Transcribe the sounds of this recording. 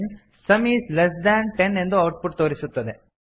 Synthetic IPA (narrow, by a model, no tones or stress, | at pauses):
n | sɐmiːslesɖ̪aːɳʈenːe̞nd̪uɐwʈ̚pʰuʈt̪oːɾisut̪ːɐd̪e̞